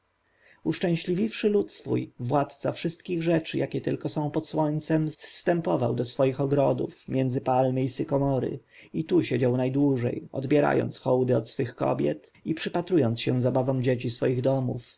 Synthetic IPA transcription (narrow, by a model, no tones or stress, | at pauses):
uʂt͡ʂɛ̃w̃ɕlʲivʲifʂɘlut̪sfṵjvwat̪t̪safʂɘst̪kʲiɣʐɛt͡ʂɘjakʲɛt̪ɘ̰lkɔsɔ̃w̃pɔt̪swɔɲt̪sɛmfst̪ɛmpɔva̰wd̪ɔsfɔjixɔɡɾɔd̪ṵfmʲjɛnd̪zɘpalmɘisɘkɔmɔɾɘ̰ | it̪uɕed͡ʑawnajd̪wuʐɛ̰jɔ̰d̪bʲjɛɾa̰jɔ̰nt̪sxɔwd̪ɘɔt̪sfɘxkɔ̰bʲjɛ̰t̪ipʂɘpat̪ɾujɔnt̪sɕɛzabavɔ̃w̃d͡ʑet͡ɕisfɔjiɣd̪ɔmṵf